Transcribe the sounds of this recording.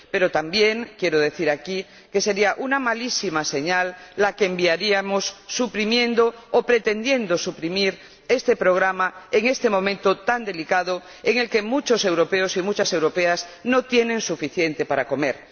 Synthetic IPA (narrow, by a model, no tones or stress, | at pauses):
pe̞ɾot̪ambje̞ŋkje̞ɾoðe̞θiɾaki | ke̞se̞ɾiaʔunamalisimase̞ɲalːakeːmbiaɾiamosːupɾimjẽ̞nd̪oːpɾet̪e̞nd̪je̞nd̪osupɾimiɾ | e̞st̪e̞pɾo̞ɣ̞ɾamae̞ŋe̞st̪e̞mõ̞mẽnt̪ot̪and̪e̞likaðo | eŋe̞lke̞mut͡ʃose̞wɾopeosimut͡ʃase̞wɾo̞peasno̞t̪je̞nẽŋsufiθje̞nt̪e̞paɾako̞me̞ɾ